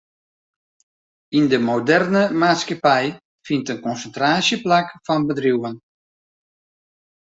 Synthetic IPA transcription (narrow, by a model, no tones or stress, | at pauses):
indəmodɛrnəmaːtskapɛj | fintənkɔnsəntraːsjəplakfɔnbədruwən